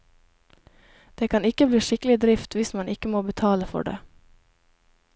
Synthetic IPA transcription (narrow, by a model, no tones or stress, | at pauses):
d̪̥eːkʰɑnɪkːəbliːʂɪkəl̩ɪd̪ɾɪft̪ʋɪsmɑnɪkːəmoːbət̪ʰɑːləfɔ̰ɖḛː